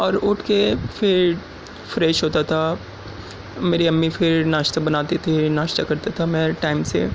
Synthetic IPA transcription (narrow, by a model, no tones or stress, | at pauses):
ɔːɾʊʈʰkefɪɾ | fɾɛːʃɦoːt̪at̪ʰa | meːɾiɐmːifʰɪɾnaːʃt̪abɐnaːt̪et̪ʰinaːʃt̪akɐɾt̪at̪ʰamɛ̃ʈaːɪmsḛ